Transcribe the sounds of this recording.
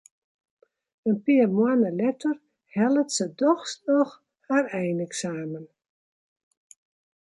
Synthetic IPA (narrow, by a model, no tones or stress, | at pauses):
ənpiəmwanəlɛtər | hɛlˠətsədɔxsɔx | harɛjnɛksaːmən